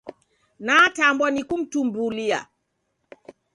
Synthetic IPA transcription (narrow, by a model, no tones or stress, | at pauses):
natambɔnikum̩tumbulia̰